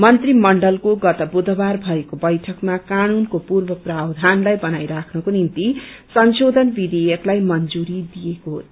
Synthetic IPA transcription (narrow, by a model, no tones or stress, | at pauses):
mʌnt̪rimʌɳɖʌlkoɡʌt̪ʌbud̪ʱʌbarbʱʌekobʌjʈʰʌkmakanunkopurbʌprabd̪ʱanlajbʌnajɾakʰnʌkonint̪i | sʌnsod̪ʱʌnbid̪ejʌklajmʌnd͡zuɾid̪ijeko